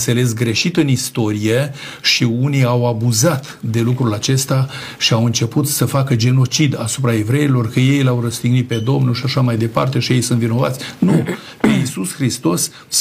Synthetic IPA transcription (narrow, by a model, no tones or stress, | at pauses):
t̪se̞le̞s̬ɡɾe̞ʃit̪ɨnist̪o̞ɾije̞ | ʃiuniawabuzat̪d̪e̞lukɾulat͡ʃe̞st̪a | ʃiawɨnt͡ʃe̞put̪səfakəd͡ʒe̞no̞t͡ʃid̪asupɾae̞vɾe̞ilo̞rkəje̞jlawrəst̪iɡnit̪̚ped̪o̞mnulʃiaʃamajd̪e̞pa̰rt̪e̞ʃije̞jsɨnt̪vino̞va̰t̪sʲnu | peisusxɾist̪o̞s